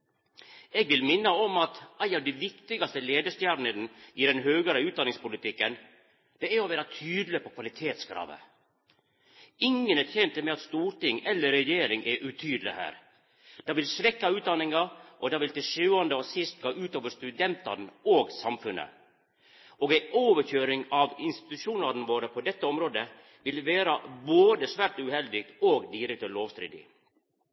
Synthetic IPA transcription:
ɛːɡʋɪlmɪnːəɔmɑt̪æɪɑʋd̪æɪʋɪkt̪ɪɡɑst̪əleːd̪əʂt̪jæːɾɳəɾnɪd̪ɛnɦøːɡəɾəʉːt̪d̪ɑnɪŋspʊlɪt̪ɪkːən | d̪̥ɛæɾɔʋæːɾɑt̪ʰyːd̪l̩ɪpɔkʰʋɑlɪt̪ʰeːt̪skɾɑ̰ːʋə̰ | ɪŋːənɛɾt̪ʰɛnt̪əmɛɑt̪st̪uːɾʈɪŋɛlːəɾɛjeːɾɪŋʔɛʔʉt̪ʰyːd̪əlɪ̰hæ̰ːɾ | d̪̥ɑːʋɪlsʋɛkːɑʉːt̪̚d̪ɑnːɪŋɑʔɔd̪ɑːʋɪlt̪ɪʂʉːɑnd̪əɔsɪst̪̚ɡɑːʔʉːt̪oːʋəʂt̪ʉd̪ɛnt̪ɑɾɳ̩oːɡsɑmfʉnːə̰ | ɔːɡæɪʔoːʋəçøːɾɪŋɑʋɪnst̪ɪ̥t̪ʉʂuːnɑɾnəʋoːɾəpʰɔd̪ɛt̪ːəɔmɾoːd̪ə | ʋɪlʋeːɾɑboːd̪əsʋæːʈʉhɛld̪ɪɡt̪oːɡd̪iɾɛkt̪ɔloːʋst̪ɾḭːd̪ɪ̰

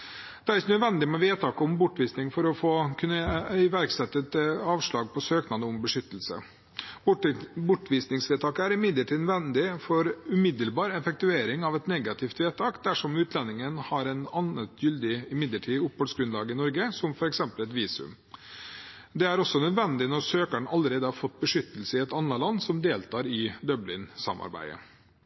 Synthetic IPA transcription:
d̪̥ɛæɾɪçənœd̪ʋɛnd̪ɪmɛʋeːt̪ʰɑːkəɔmbʊʈːʋiːsnɪŋfɔɾɔfoːkʰʉnːəɪʋæɾksɛt̪ːət̪ɑːʋʂɭɑːɡ̚pʰɔsøːknɑnd̪əɔmbəʂʏt̪ːəl̩sə̰ | bbʊʈːʋiːsnɪŋsʋeːt̪ʰɑːkəæɾɪmɪd̪ləʈʰiːd̪nʋɛnd̪ɪfɔɾʉmɪd̪əlbɑːɾɛfɛk̚t̪ʉeːɾɪŋɑʋɛt̪nɛɡɑt̪ʰɪft̪ʋeːt̪ʰɑːkd̪æʂɔmʉːt̪ʰlɛnːɪŋənhɑɾɛnɑnət̪jʏld̪ɪɪmɪd̪ləʈʰiːʊpːhoːlsɡɾʉnlɑːɡəɪnɔɾɡəsɔmfɔɾɛksɛmpəlɛt̪ʋiːsʉ̰m | d̪ɛæɾɔsɔnœd̪ʋɛnd̪ɪnɔɾsøːkəɳɑlːəɾeːd̪əhɑɾfɔt̪ːbəʂʏt̪ːəl̩səɪɛt̪ɑnːəlɑnːsɔmd̪eːlt̪ʰɑːɾɪd̪œblɪnsɑ̰mɑ̰ɾbæ̰ɪə̰

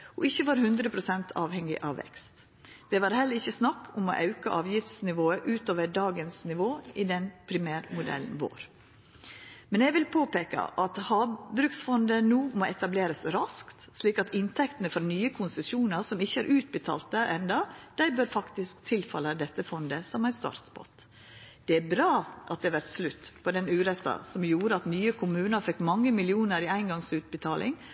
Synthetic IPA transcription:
ɔɪçːəʋɑːɾhʉnd̪ɾəpʰɾʊsɛnt̪ʰɑːʋhɛŋɪ̰ʔɑʋʋɛ̰kst̪ | d̪̥ɛʋɑːɾhɛlːəɾɪçːəsnɑkːʊmɔ̰ʔɑʉkɑʔɑːʋjɪft̪snɪʋoːəʔʉːt̪oːʋəɖɑːɡənsnɪʋoːɪd̪ɛnpʰɾɪmæːɾmʊd̪ɛ̰lnʋo̰ːɾ | mɛnɛɡʋɪlpʰoːpeːkə̰ʔɑt̪hɑːbɾʉksfɔnd̪ənuːmoːɛt̪ɑbleːɾəsɾɑskt̪sliːkɑt̪ɪnt̪ʰɛkt̪ənəfɔɾnyːəkʰʊnsəsuːnəɾsɔmɪçːəæɾʔʉːt̪̚bət̪ʰɑ̰ːlt̪̚əʔɛnd̪ɑd̪̥æɪbøːɾfɑkt̪ɪsk̚t̪ʰɪlfɑ̰ləd̪ɛt̪ːəfɔnd̪əsɔmæɪst̪ɑ̰ɾt̪bɔ̰t̪ | d̪̥ɛæbɾɑːʔɑt̪̚d̪ɛʋæɾt̪slʉt̪ːpʰɔd̪ɛnʉːɾɛt̪ːɑ̰sɔmjuːɾəɑt̪nyːəkʰʊmʉːnəɾfɛkːmɑŋːəmɪlɪuːnəɾiːæɪnɡɑŋsʉːt̪̚bət̪ʰɑːlʔɪ̰ŋ

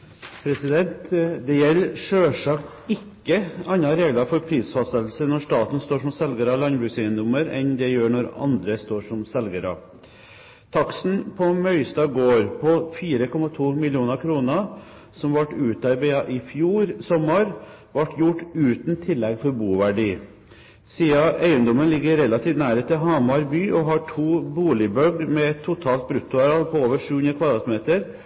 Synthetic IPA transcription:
pʰɾɛsɪd̪ɛnt̪d̪ɛjɛlːʂøːʂɑkt̪ | ɪkːəɑnːɑɾeːɡlɑfɔɾpʰɾiːsfɑst̪ət̪l̩sənɔʂt̪ɑːt̪nst̪oːʂɔmsɛlɡəɾɑlɑnbɾʉːsɪənd̪ʊməɾɛnd̪ɛjøːɳɔɾɑ̰nd̪ɾəst̪oːʂɔmsɛlɡəɾɑ̰ | t̪ʰɑksn̩pʰɔmœʏst̪ɑːɡoːɾpʰɔfiːɾəkʰɔmːɑt̪ʰuːmɪlɪuːnəkʰɾuːnə | sɔmʋɑʈːʉːt̪ɑɾbeɑʔɪfjuːɾsɔmːɑɾ | ʋɑʈʰjʊʈːʉːt̪n̩t̪ʰɪlːɛɡfɔɾbuːʋæɖiː | siːɑæɪənd̪ɔmənlɪɡːəɾɛlɑt̪ʰiːʋ̪næːɾət̪ʰːɪɦɑmɑɾbyːʔɔɦɑʈʰuːbuːlɪbœɡmɛɛt̪ʰːʊt̪ʰɑːlt̪̚bɾʉt̪ːʊɑɾɑlpʰɔoːʋəʂʉːhʉnɾəkʋɑd̪ɾɑːt̪meːt̪əɾ

